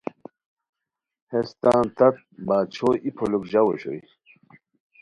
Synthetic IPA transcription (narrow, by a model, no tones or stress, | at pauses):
hest̪ãːnt̪ɐk̚baːt͡ɕʰoʔipʰolukʑawoɕo̰i